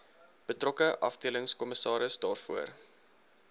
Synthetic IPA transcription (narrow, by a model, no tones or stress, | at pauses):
b̥ətrɔkəʔɐ̰fdiələŋskɔməsɑːɾəsdɑːrfuər